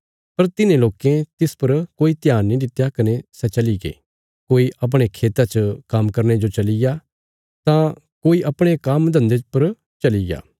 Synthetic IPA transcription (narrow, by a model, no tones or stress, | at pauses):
pɐɾt̪ɪnẽloːkẽt̪ɪspɐɾkoːit̪ɪjaːnːĩdɪt̪jakɐnesɛt͡ʃɐliɡḛː | koːiʔɐp̬ɽ̃ekʰeːt̪at͡ʃkɐmkɐɾñed͡ʒot͡ʃɐlɪja | t̪ã | koːiʔɐpɽ̃ekɐmd̪ʱɐ̃nd̪epɐɾ | t͡ʃɐlɪja̰ː